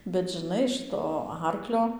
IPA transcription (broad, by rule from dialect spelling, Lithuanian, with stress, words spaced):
bʲɛt ʒʲɪˈnɐɪ ˈʃɨtoː ˈɐrklʲoː